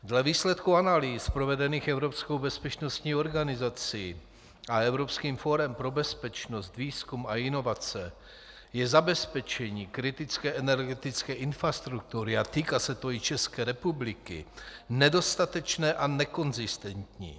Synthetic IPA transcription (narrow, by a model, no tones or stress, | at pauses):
dlɛviːslɛt̪kuanaliːspɾo̞vɛdɛniːxɛvɾo̞psko̞wbɛspɛt͡ʃno̞st̪ɲiːo̞ɾɡanɪzat͡sɪ | ʔaɛvɾo̞pskiːmfo̞ɾɛmpɾo̞bɛspɛt͡ʃno̞st̪viːskumaɪno̞vat͡sɛ | jɛzabɛspɛt͡ʃɛɲiːkɾɪt̪ɪt͡skɛːʔɛnɛɾɡɛt̪ɪt͡skɛːʔɪnfɾast̪ɾuk̚t̪uɾɪat̪iːkasɛt̪o̞ɪt͡ʃɛskɛːɾɛpublɪkɪ̰nɛdo̞st̪at̪ɛt͡ʃnɛːʔanɛko̞nzɪst̪ɛnt̪ɲḭː